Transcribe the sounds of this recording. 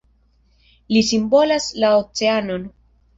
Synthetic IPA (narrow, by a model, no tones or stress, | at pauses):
lisimbo̞laslaot͡se̞ano̞n